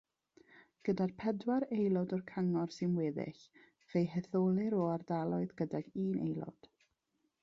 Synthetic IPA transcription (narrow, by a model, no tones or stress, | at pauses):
ɡ̥ədarpʰɛdwaɾejlˠɔdɔrkʰaŋɔrsɨnweːðɪ̰ɬ | v̥ejɦɛθolˠɪɾoːardalˠɔɨðɡədɛɡiːnḛjlˠɔ̰d̥